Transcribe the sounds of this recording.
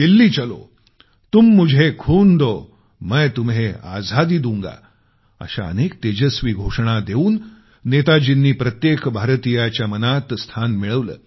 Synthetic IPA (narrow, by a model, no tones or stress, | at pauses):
d̪ilːiːt͡ɕəlo̰ | t̪uːmːud͡ʑʱekʰuːnd̪o | məjt̪umɦea̰d͡zʱad̪iːd̪uŋɡa̰ | ə̰ɕa̰ə̰nek̚t̪ed͡ʑəsʋiːɡʱoʂəɳ̃ad̪euːnː | et̪ad͡ʑinːiːpɾət̪jekbʱaɾt̪ijat͡ɕjamənat̪st̪ʰanmiɭəʋlə̰ː